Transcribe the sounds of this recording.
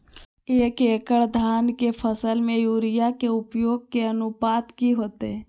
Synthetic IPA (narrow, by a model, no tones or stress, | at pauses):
eːkeːkəɽd̪ʱaːnkepʰəsəlmẽjuːɾɪjakeʊpjoːɡ̚keənupaːt̪kiɦoːt̪eɛ